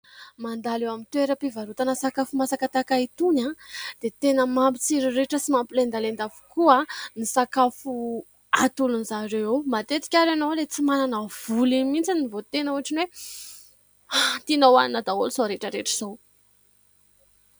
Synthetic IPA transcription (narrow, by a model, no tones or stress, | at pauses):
mand̪alewamint̪weɾəpivaɾut̪anəsakafumasakat̪akait̪unad̪̥et̪enəmampit͡siɾiɾeʈ͡ʂəsimampilend̪alend̪avu̥kuanisakafu | at̪ulunizaɾewewmat̪et͡s̪i̥kʲaɾanowlet͡simananəv̥ulimint͡sinivot̪enəuaʈ͡ʂinwe | at̪inowaninad̪aulusoɾeʈ͡ʂəɾeʈ͡ʂiz̥ow